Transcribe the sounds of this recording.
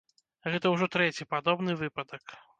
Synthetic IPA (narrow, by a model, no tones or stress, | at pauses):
ɣɛt̪ɐwʐɔt̪ɾɛt͡sʲipad̪ɔbnɨvɨpɐd̪ɐk